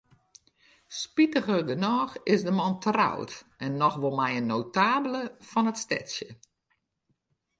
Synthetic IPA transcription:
spitəɣərdənɔːxɪzdəmɔntra̰wtɛnːɔxʋɔlˠmɛjənːowtaːbələfɔnətstɛ̰tsjə

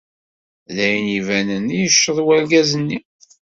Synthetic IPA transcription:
ðæjənivænənijəʃːəðˤwælɡæzənːi

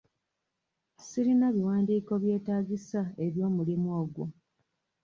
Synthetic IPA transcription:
siɾinaβiwaːndiːko̞βje̞ːtaːɡisaeβjo̞ːmulimwo̞ːɡwo̰

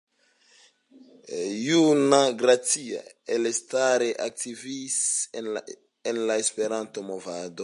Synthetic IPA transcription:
junaɡɾat͡sia̰ | elestaɾeʔak̚tʰivis | enlaespe̞ɾanto̞movado̞

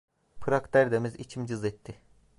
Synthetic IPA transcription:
pʰɯɾakd̪æɾd̪emizit͡ʃʰimd͡ʒɯzɛt̪ʰːɪ

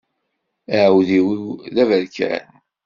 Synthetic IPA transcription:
əʕwðiwiwðævəɾkæ̰n

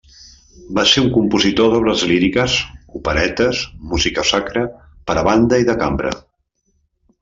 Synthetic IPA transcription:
baseuŋkumpuzit̪oðɔβləzliɾikəzupəɾɛt̪əzmuzikəsakɾə | pəɾəβand̪əiðəkambɾə̰

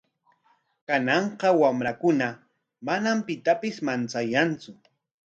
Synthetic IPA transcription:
kanɑɴqɑwamɾakʊna | manampɪt̪apɪsmant͡sajant͡sʊ

